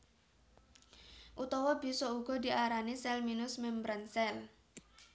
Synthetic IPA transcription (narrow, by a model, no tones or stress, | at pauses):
ʔut̪ɔwɔb̥i̤sɔuɡ̥ɔ̤d̪i̤ʔaɾanisɛlminʊsmɛmbɾansɛl